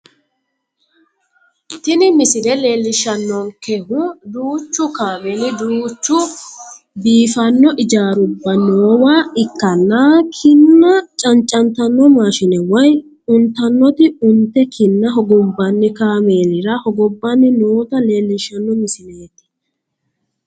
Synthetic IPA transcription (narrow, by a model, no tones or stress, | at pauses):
t̪ɪnɪmɪsɪɾɛleːlːɪʃːɐnːɔŋkɛhʊd̪uːt͡ʃːʊkaːmenɪd̪uːt͡ʃːʊ | biːfɐnːɔʔɪd͡ʒaːɾʊbːɐnoːwaːɪkːɐnːaːkʰɪnːɐt͡ʃʼɐnt͡ʃʼɐnt̪ɐnːɔmaːʃɪnɛwɐj | ʊnt̪ːɐnːɔt̪ɪʊnt̪ːɛkʰɪnːɐɦɔɡɔbːɐnːɪkaːmeːnɪɾɐhɔɡɔbːɐnːɪnoːt̪ɐle̞ːlːɪʃːɐnːɔmɪsɪneːt̪ːɪ̥